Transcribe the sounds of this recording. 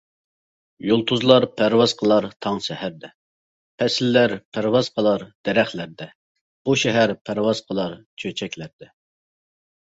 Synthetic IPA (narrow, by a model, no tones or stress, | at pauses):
jolˠt̪ʰuzlˠɑɾpʰæɾwɑzqʰəlˠɑɾt̪ʰɑŋʃɛhæɾd̪ɛ | pʰɛsɪlːæɾpʰæɾwɑz̥qʰəlˠɑɾd̪̥ɛɾɛχlæɾd̪ɛ | b̥uʃɛɦæɾpʰæɾwɑz̥qʰəlˠɑɾt͡ʃʰøt͡ʃʰɛkʲlæɾd̪ɛ